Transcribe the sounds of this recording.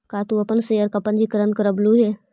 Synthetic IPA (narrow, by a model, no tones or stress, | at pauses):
kaːt̪uɐpənsejəɾkɐpənd͡ʒikəɾənkəɾəbluːɦe